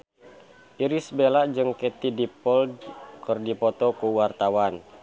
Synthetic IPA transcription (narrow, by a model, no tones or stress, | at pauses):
ʔiɾisbelad͡ʒɨŋkɛt̪idipɔldkərdipɔt̪ɔkuwart̪awan